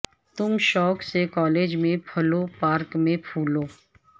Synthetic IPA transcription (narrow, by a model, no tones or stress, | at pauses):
t̪ʊmʃɔːksekɔːleːd͡ʒmẽpʰɐlopaːɾkmẽpʰuːloː